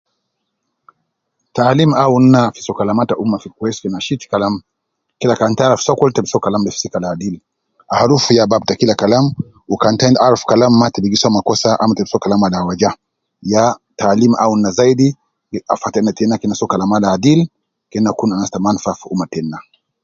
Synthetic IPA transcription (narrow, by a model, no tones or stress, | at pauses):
taːlimaun̩ːafisɔkalamataʔumafikwɛsfinaʃitkalam | kilakantalafsɔkwɛltɛbisɔkalamlɛfsikalaːdil | ahaɾufujabab̚takilakalam | ukantajndalfu̥kalamːatɛbiɡisamakɔsaʔa̰matɛbi̥sɔkalamalawad͡ʒa | jataːlimʔa̰un̩nːazaidi | a̰fatɛnːatɛnakinasɔkalamalaːdil | kɛnːakunanastamanfafṵmatɛnːa